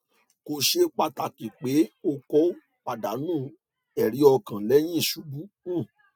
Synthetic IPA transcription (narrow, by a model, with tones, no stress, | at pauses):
ko˧ʃe˦k͡pa˧ta˨kĩ˨k͡pe˨˦o˧kɔ˦ | k͡pa˨da˨˦nũː˦˨ | ɛ˨ɾ̃ĩ˨˦ɔ˧kã˨lɛ˦j̃ĩ˦i˦˨ʃu˨˦bu˦ | ũ˦˨